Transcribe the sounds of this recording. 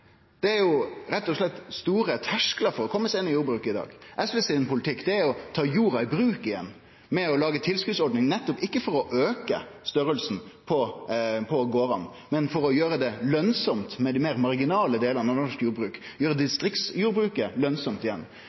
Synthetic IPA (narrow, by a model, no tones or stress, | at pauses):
d̪̥ɛæɾjʊɾɛt̪ːɔʂlɛt̪ːst̪uːɾət̪ʰæʂklɑɾfɔɾɔkʰɔmːəseːnəjuːɾbɾʉːkəɪd̪ɑ̰ːɡʔɛsʋɛsɛːɛnpʰʊlɪt̪ʰɪkːd̪ɛæɾɔt̪ʰɑːjuːɾɑɪbɾʉːkɪjɛ̰nː | mɛɔlɑːɡət̪ʰɪlskʉːd̪sɔɾɖnɪŋnɛt̪ːɔpɪkːəfɔɾɔʔøːkə̰st̪œɾəlsn̩pʰɔpʰɔɡoːɾɑn | mɛnfɔɾɔjøːɾəd̪ɛlœnsɔmt̪mɛd̪imeːɾmɑɾɡɪnɑːləd̪eːlənɑʋnɛɔʂkjuːɾbɾʉːkjøːɾəd̪ɪst̪ɾɪk̪sjuːɾbɾʉːkəlœnsɔmt̪ɪjɛnː